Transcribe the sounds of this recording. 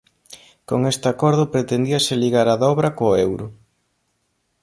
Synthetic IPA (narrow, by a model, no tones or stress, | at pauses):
koŋest̪ɪakɔɾðʊpɾet̪end̪iɐsɪliɣaɾaðɔβɾɐkoewɾʊ